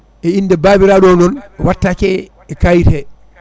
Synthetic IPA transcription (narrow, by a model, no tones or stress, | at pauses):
ʔɛindɛbaːbiɾaɗɔnɔnɛwatːakɛ | ɛkajtɛ